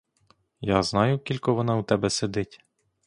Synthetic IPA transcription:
jaznɑjʊkʲilʲkɔʋɔnɑut̪ɛbɛsed̪ɪtʲ

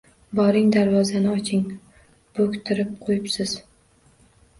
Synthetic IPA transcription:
bɒɾɪŋd̪aɾvɒzanɪɒt͡ʃʰɪŋ | b̥ɵkʲt̪ʰɪɾɪp̚qʰojɪpsɪz̥

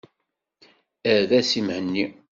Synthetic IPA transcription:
æðæsimhənːi

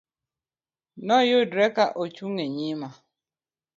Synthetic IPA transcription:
nɔjʊdɾekaʔot͡ʃuŋeɲima

